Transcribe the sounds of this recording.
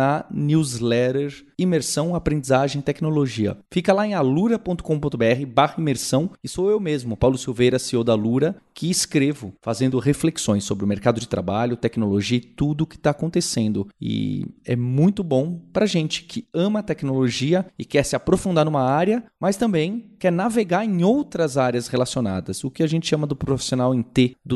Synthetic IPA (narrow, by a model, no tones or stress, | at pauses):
ɐniwzlɛɾeɾ | imeɾsɐ̃w̃apɾẽnd͡ʒizaʒẽj̃ɪt̪ɛknoloʒiɐ̰fikɐlaẽj̃aluɾɐpõnt̪ʊ̥kõpõt̪ʊbeɛɦɪbahɐimeɾsɐ̃w̃ɪsowewmezmʊpawlʊsiwvejɾɐsiod̪aluɾɐkʰɪːskɾevʊfazẽnd̪ʊɦefleksõj̃sːobɾɪʊmeɾkad̪ʊd͡ʒɪt̪ɾa̰baʎʊt̪ɛknoloʒiɐɪt̪ud̪ʊːkɪ̥t̪aːkõnt̪esẽnd̪ʊɪ̰ɛ̰mũj̃t̪ʊbõw̃pɾɐʒẽnt͡ʃɪ̥kʰɪɐ̃mɐt̪ɛknoloʒiɐɪkɛɾsɪapɾofũnd̪aɾnũmɐaɾjɐmɐst̪ɐ̃bẽj̃kɛɾnaveɡaɾẽowt̪ɾɐzaɾjɐshelasiona̰d̪ɐsʊkɪaʒẽnt͡ʃɪʃɐ̃mɐd̪ʊpɾofi̥sionawẽj̃t̪ed̪ʊ